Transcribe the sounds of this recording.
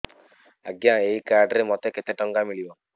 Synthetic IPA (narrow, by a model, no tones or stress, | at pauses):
a̰ɡjãeikaɾɖɾemɔt̪eket̪eʈɔŋɡamilibɔ